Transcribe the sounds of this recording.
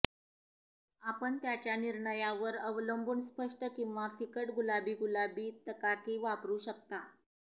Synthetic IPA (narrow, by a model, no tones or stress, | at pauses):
apəɳt̪jat͡ɕjaniɾɳəjaʋəɾəʋləmbʱuːnspəʂʈəkĩw̃ʋafikəʈɡulabiːɡulabiːt̪əkakiːʋapɾuːɕəkt̪a